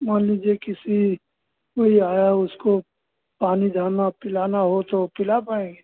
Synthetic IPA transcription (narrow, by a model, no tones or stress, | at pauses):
maːnliːd͡ʒiekɪsi | ʋɐɦiaːjaʊsko | paːnid̪ʱaːnapɪlaːnaɦot̪opɪlapaẽːɡe